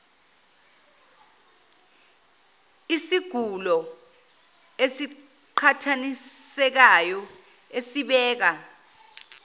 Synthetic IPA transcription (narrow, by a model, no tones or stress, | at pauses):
isiɡ̥ʱulɔ | esi | ǃʰatʰanisɛk̬ajɔ | esiɓɛːk̬a